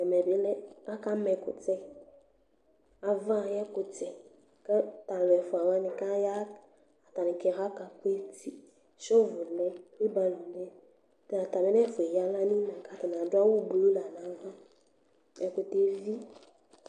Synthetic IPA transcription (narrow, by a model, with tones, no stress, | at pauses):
ɛ˨mɛ˨bɪ˨˦lɛ˦a˦ka˦mɛ˨kʊ̰˨tɛ˦ | a˨vã˦˨jɛ˦kʊ˨tɛ˨ | kɛ˦ta˨n˨lɛ˨fʊ˨a˨wa˦nɪ̃˨ka˦ja˦ | a˨ta˨nɪ˨kɛ˨ɦa˦ka˨kʊ˦e˦ti˦ | ʃɔ˦vʊ˨lɛ˦e˦ba˨li˨lɛ˦ | ta˨ta˨mɪ˦ɛ˦fʊ˨ɛ˨ja˦la˦nĩ˦nã˨ka˦ta˨n˨ã˨dʊ˦a˦wʊ˦bo˨o˦la˨na˨˦va˦ | ɛ˨kʊ˨te˨vi˦